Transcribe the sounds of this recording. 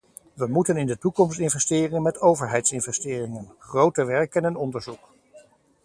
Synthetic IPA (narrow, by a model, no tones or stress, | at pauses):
ʋəmutənɪndətukɔmstɪnvɛstɪːrɪŋənmɛtowvəɹɦɛjtsɪnvɛstɪːrɪŋənχrowtəʋɛɹkənɛnɔndəɹzuk